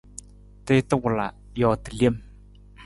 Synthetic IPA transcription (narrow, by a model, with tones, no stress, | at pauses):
tɪ˦tə˦wʊ˨la˨ | jɔ˨tə˨le˦˨m